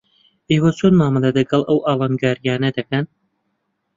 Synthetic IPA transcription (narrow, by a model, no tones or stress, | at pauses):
ʔeːwɐt͡sʰonmaːmɨlˠelɐɡɐlˠʔɐwʔɑːlɑːnɡaːɾijaːnɐd̪ɐkɐn